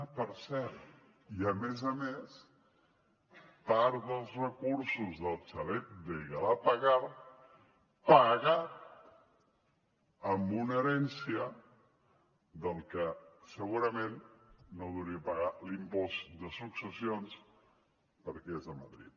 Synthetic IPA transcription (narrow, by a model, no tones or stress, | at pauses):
pəɾsɛɾt̪ | iəmezəmes | paɾðəlˠzrəkuɾsuzðəlˠt͡ʃəlɛt̪̚d̪əɣəlapəɣaɾ | pəɣat̪̚ | mbuneɾɛnsiə | d̪əlˠkəsəɣuɾəmenːoðuwɾiəpəɣalimpɔsd̪əsuksəsions | pəɾkɛezðəmə̰ðɾḭt̪̚